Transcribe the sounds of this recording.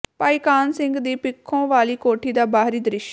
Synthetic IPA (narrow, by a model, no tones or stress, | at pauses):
paːiːkaːnsɪŋɡd̪iːpɪkʰːõːʋaːliːkoːʈʰiːd̪aːbaːɦɾiːd̪ɾɪʃ